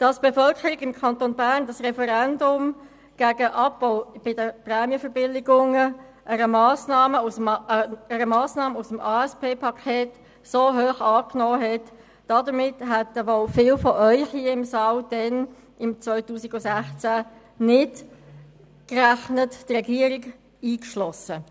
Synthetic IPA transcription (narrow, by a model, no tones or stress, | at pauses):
d̥ɑsb̥efœlkʰəɾiɡɪmkʰɑntonbæːʁndɑsʁɛfəɾɛndʊm | ɡ̥æːɡəʔɑpb̥ɔʊb̥ɪdəprɛːmjəfəɾbɪlɪɡʊŋə | ʔəɾəmɑːsnɑːməus | əɾəmɑːsnɑːməusəmɑːɛspʰeːpʰɑkʰeːt | soːɦøːχɑːknoːɦɛt | d̥ɑdəmɪtɦɛtːəʋɔlfɪːlfɔʔœʏχhiəɪmsɑːld̥ɛn | ɪmt͡svœʏtuːsɪɡʊsæχt͡sæ | nɪt | kræχnəttrɛɡiəɾɪɡ | iːkʃlɔsə